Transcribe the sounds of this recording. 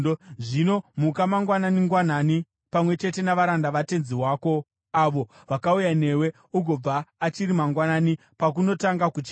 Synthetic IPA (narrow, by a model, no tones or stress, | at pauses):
ʐino̞mukamaŋɡwananiŋɡwanani | pamwe̞t͡ʃe̞te̞naʋaɾandaʋate̞nziwaːko̞ | aʋo̞ | ʋakaujane̞we̞ | uɡʱo̞b͡vaːt͡ʃiɾimaŋɡwanani | pak̬uno̞taŋɡakut͡ʃi